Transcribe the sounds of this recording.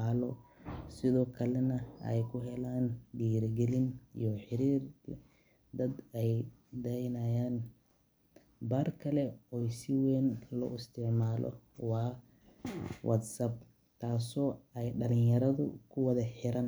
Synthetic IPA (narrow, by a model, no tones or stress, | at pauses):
aːlɔsɪðɔːkʰɐlɛnɐɛ̰jkʰʊɦɛlaːnɖiːɾɡɛlɪnijɔħɪɾiːr | d̪ɐd̪ɛj | d̪ɛjnɐjaːn | baːrkʰɐlɛɔjsɪwɛːnlɔ̰ɪst̪ʰɪʕmaːlʔɔ̰wɑː | wʔɐ̰d̪sɐb̚ | t̪ʰaːsɔːɛjɖɐlɪnjɐɾɐðʊ̰kʰʊwɐðɐħɪɾɐn